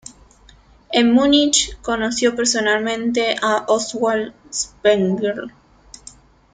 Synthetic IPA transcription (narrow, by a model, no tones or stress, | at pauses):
emunit͡ʃko̞nosjo̞peɾso̞nalmẽnt̪̬e̞ʔaʔoswalspeŋɡeɾ